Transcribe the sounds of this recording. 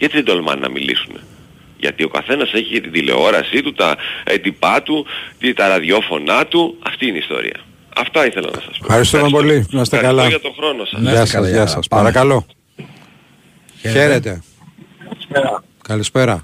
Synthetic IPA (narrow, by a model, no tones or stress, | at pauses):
ʝɐt̪iðed̪olmɐ̰nːɐ̰mḭlḭsume | ʝɐ̰t̪io̞kɐ̰θe̞nɐse̞çit̪iðile̞̰o̞ɾɐsit̪ut̪ɐet̪ipɐt̪ut̪it̪ɐɾɐðjo̞fo̞nɐt̪uɐft̪iineist̪o̞̰ɾḭɐ̰ | ɐ̰ft̪ɐiθelɐ̰nɐ̰sɐspo̰fxɐɾist̪umɐpo̞limɐst̪ekɐlɐɐt̪oxɾonosɐ̰ɐsɐsʝɐsɐspɐɾɐkɐlo̞ | çe̞ɾet̪e̞ | ɐlispeɾɐ | kɐlispe̞ɾɐ